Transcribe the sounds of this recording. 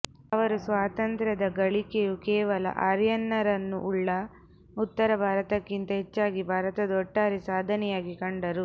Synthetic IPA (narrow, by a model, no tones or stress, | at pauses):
ɐʋɐɾusʋaːt̪ɐnt̪ɾɐd̪ɐɡɐɭikejukɛːʋɐlɐ̰ʔaːɾjɐnːɐɾɐnːṵʔuɭːɐ | ut̪ːɐɾɐbʱaːɾɐt̪ɐkːint̪ɐɦet͡ʃːaːɡibʱaːɾɐt̪ɐd̪ɔʈːaːɾisaːd̪ʱɐnɛjaːɡikɐɳɖɐɾu